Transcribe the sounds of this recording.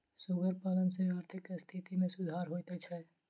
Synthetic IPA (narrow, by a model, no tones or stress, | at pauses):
sʊɡəɾpaːlənseaːɾt̪ʰɪkst̪ʰit̪imẽsʊd̪ʱaːɾɦoːt̪et͡ʃʰɛː